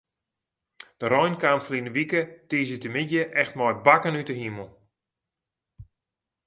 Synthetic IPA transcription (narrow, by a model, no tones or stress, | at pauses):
d̥əɾɔjnkaːmfəlinəʋikətiːzitəmidjəʔɛxtmɔjbakənytəɦiməl̩ˠ